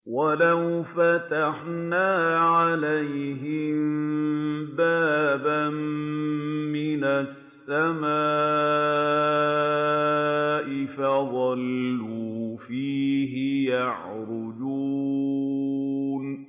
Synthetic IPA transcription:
walawfat̪aħnaːʕalajɦɪmmbaːbamː | ɪnasːamaː | ʔɪfaðˤɑlːuːfiːɦɪjaʕɾʊd͡ʒu | n

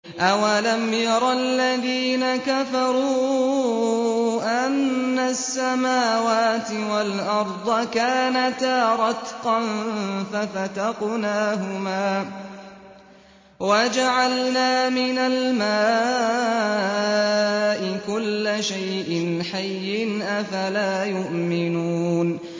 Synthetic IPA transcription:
ʔawalamjɑɾˤɑlːaðiːnakafɑɾˤuː | ʔanːasːamaːwaːt̪ɪwalʔɑɾˤd̪ˤɑkaːnat̪aːɾˤɑt̪qɑnfafat̪ɑqnaːɦʊmaː | wad͡ʒaʕalnaːmɪnalmaː | ʔɪkʊlːaʃajʔɪnħajːɪnʔafalaːjʊʔmɪnuːn

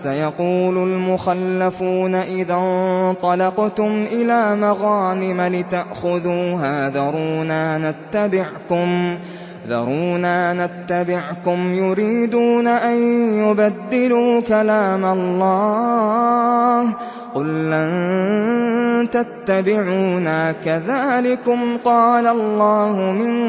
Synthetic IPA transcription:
sajɑquːlʊlmʊxalːafuːnaʔɪðant̪ˤɑlɑqt̪ʊmʔɪlaːmaɣaːnɪmalɪt̪aʔxʊðuːɦaːðɑɾˤuːnaːnat̪ːabɪʕkʊm | ðɑ̰ɾˤuːnaːnat̪ːabɪʕkʊmjʊɾiːd̪uːnaʔanjʊbad̪ːɪluːkalaːmalˤːɑː | h | qʊlʔan | t̪at̪ːabɪʕuːnaːkaðaːlɪkʊmqɑːlalˤːɑːhʊmɪn

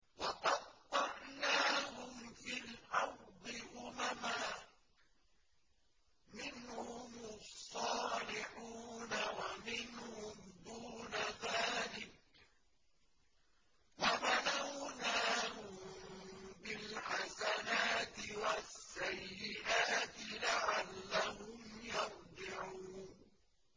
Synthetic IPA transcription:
wɑqɑtːɑɾˤnaːhʊmfilʔɑɾd̪ˤɪʔʊmamaː | mɪnhʊmɑsˤːɑːlɪħuːnawamɪnhʊmd̪uːnaðaːlɪk̚ | wamanawnaːhʊmm | bɪlħasanaːt̪ɪwasːajːɪʔaːt̪ɪlaʕalːahʊmjɑfˤd̪ˤɪʕuːn

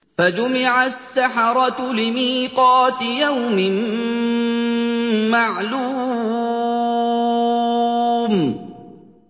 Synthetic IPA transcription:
fad͡ʒʊmɪʕasːaħɑɾˤɑt̪lɪmiːqɑːt̪ɪjawmɪm | maʕluː | m

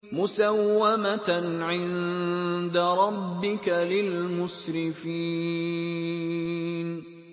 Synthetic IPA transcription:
mʊsawːamaʕɪnd̪aɾˤɑbːɪkalɪlmʊʃɾɪfiː | n

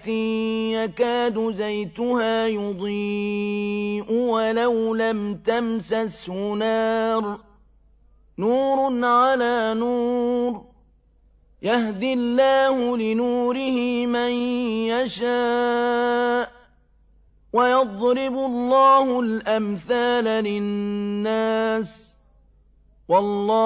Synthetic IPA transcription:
t̪ɪjakaːd̪ʊzajt̪ʊhaːjʊd̪ˤiː | ʔʊwalawlamt̪amsashʊnaːɾ | nuːɾʊnʕalaːnuːɾ | jahd̪ɪlːaːhʊlɪnuːɾɪhɪmanjaʃaː | ʔ | wajɑd̪ˤɾɪbʊlˤːɑːɦʊlʔamθaːlalɪnːaːs | wɑlːɑː

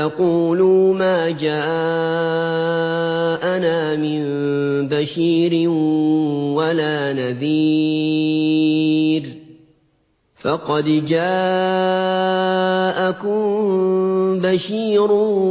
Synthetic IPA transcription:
ɑquːluːmaːd͡ʒaːʔ | ʔanaːmɪmnbaʃiːɾɪn | walaːnaðiː | ɾ | fɑqɑd̪d͡ʒaː | ʔakʊm | baʃiːɾ

